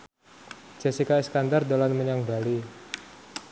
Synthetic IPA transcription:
d͡ʒ̥a̤sikaɛskandard̪olanməɲaŋba̤li

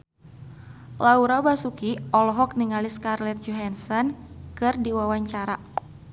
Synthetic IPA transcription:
lauɾabasukiɔlɔɦɔk̚niŋaliskarlɛt̪̚d͡ʒɔɦansɔnkɨrdiwawaɲt͡ʃaɾa

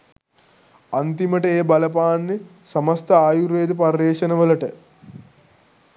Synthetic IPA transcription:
ant̪iməʈəeːbɐləpaːnːesɐmɐst̪əaːjuɾeːd̪əpɐrːeːʃənəʋələʈə

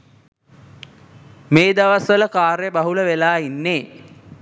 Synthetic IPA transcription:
meːd̪aʋasʋələkaːɾejəbaɦuləʋelaːinːeː

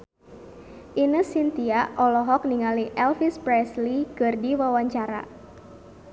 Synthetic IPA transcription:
ʔinəsint̪iaɔlɔɦɔk̚niŋaliʔɛlfispɾɛslikɨrdiwawaɲt͡ʃaɾa̰

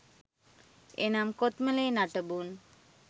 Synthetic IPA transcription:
ḛnamkot̪məlenaʈəbun

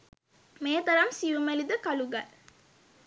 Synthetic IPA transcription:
meːt̪ɐɾamsiʋumelid̪əkaluɡal

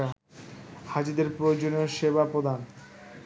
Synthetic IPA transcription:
had͡ʑid̪eɾpɾood͡ʑonioʃebapɾod̪ʱan

